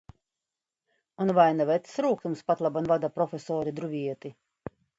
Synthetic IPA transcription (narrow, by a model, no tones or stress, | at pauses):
unvajnavɛt̪sɾuːkt̪umspat̪lˠabanvad̪apɾɔfʲesɔːɾid̪ɾuvʲiɛt̪i